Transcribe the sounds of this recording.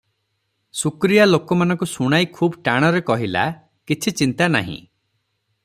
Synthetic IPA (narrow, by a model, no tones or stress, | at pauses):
sukɾijalokɔmanɔ̃ŋkusuɽ̃ajkʰuːbʈaɽ̃ɔɾekɔɦila̰ | kit͡ʃʰit͡ʃint̪ana̰ɦḭ̃